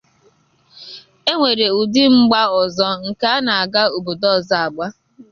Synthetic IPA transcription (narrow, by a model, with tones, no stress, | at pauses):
e˦ŋʷe˨ɾe˨u˨dɪ˦ŋ͡m̩˦ɡ͡ba˦ɔ˨zɔ˦ŋ̩˨ka˦a˦na˨a˨ɡa˦o˨bo˨dɔ˦˨za˨a˨ɡ͡ba˦